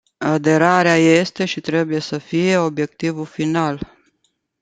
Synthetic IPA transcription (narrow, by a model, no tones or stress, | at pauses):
ad̪e̞ɾaɾeaje̞st̪e̞ʃit̪ɾe̞buje̞səfije̞o̞bje̞k̚t̪ivulfinal